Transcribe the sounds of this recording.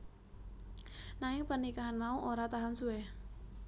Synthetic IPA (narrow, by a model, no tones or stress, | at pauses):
naɪŋpərnikaɦanmauʔoɾat̪aɦansuɛ